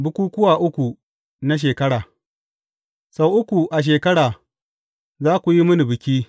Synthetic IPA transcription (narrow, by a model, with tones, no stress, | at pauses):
bʊ˦kʷuː˦kʷʊ˦waː˨ʔʊ˦kʷu˨ | na˦ʃ̬eː˨kɐ˦ɽaː˨ | sa˦wʔʊ˦kʷu˨ʔa˨ʃ̬eː˨kɐ˦ɽaː˨ | zaː˦kʷu˨ji˦mʊ˦ni˨bɪ˨kʲiː˦